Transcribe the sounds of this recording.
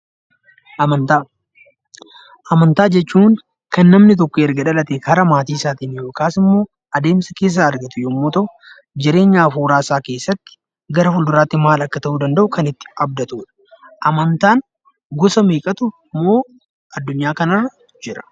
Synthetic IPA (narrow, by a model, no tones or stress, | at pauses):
nt̪a | ʔɐmɐnt̪aːd͡ʒɛt͡ʃːuːŋ | kɐnːɐmnɪt̪̬ɔkːɔɛɾɡɐᶑɐlɐt̪eːkɐɾɐmaːt̪iːɪsaːt̪iːnɪjoːkaːsɪmːo̞ː | ʔɐd̪e̞ːmsɐke̞ːs̬ːaɐɾɡɐt̪ʊjoːmːoːt̪ɐʔʊ | d͡ʒɪɾe̞ːɲːaːfuːɾaːsaːke̞ːsːɐt̪ːɪ̥ | ɡɐɾɐfʊld̪ʊɾaːt̪ːɪmaːlɐkːɐt̪ɐʔuːd̪ɐnd̪ɐʔʊkɐnɪt̪ːɪ̥ɐbd̪ɐt̪uːᶑɐ̥ʔɐmɐnt̪aːn | ɡɔsɐmeːkʼɐt̪ʊ | mːo̞ː | ɐd̪ːʊɲːaːkɐna | d͡ʒɪɾɐ̥